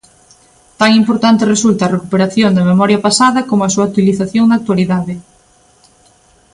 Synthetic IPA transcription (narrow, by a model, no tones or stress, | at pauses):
t̪aŋimpoɾt̪ant̪eresult̪ɐːrekupeɾaθjond̪ememɔɾjɐpasaðɐkomoɐasuat̪iliθaθjoŋd̪ak̚t̪waliðaðɪ